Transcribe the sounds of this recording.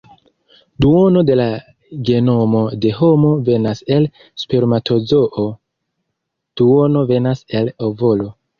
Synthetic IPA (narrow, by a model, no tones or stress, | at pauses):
duo̞no̞de̞la | ɡe̞no̞mo̞de̞ɦo̞mo̞ve̞nase̞l | speɾmatʰo̞zo̞ʔo | d̥uono̞ve̞nase̞lovo̞lo̞